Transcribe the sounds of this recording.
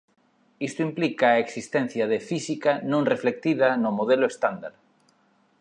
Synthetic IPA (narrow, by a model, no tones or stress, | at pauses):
ist̪ʊimplikaːeksist̪ɛn̟θjaðefisikanõŋreflek̚t̪iðanomoðeloest̪and̪aɾ